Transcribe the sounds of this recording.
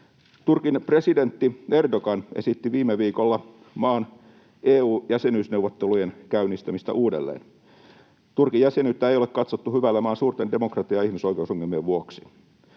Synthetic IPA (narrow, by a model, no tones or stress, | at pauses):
t̪urkinpre̞side̞nt̪ːie̞rdoɡɑnesit̪ːiʋiːmːeʋiːkolːɑ | mɑːn | ʔeːuːjæsenyːsneuʋːˑot̪ːelujenkæynːist̪æmist̪æ̰ʔuːdḛlːḛːn | t̪urkijæsenyt̪ːæejole̞kkɑt̪sot̪ːuhyʋælːæmɑːnsuːrt̪ende̞mokrɑt̪iɑihmisoik̟eusoŋːelmieʋʋuoksi̥